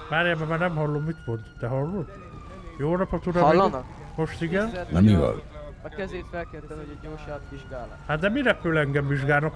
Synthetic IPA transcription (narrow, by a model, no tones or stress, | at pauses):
maːɾjamamaːnɛmhɒlːomːit̪mond̪d̪ɛɦɒlːod̪ | joːnɒpɒt̪uɾɔlːn | moʃt̪iɡɛnnɛmiʋɒ̰lkɛzeɛket̪oːʃat̪iʒɡaː | hat̪d̪ɛmiɾɛpːøːlɛŋɡɛmʋiʒɡaːlnok